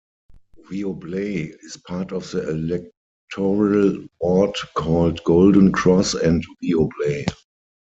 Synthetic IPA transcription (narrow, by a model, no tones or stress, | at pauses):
viobleɪɪspʰaːtɔfðəɛlɛk̚ | tʰɔɹalbɔtkʰɔːldɡoʊldə̃nkʰɹɔsɛ̃ntviobleɪ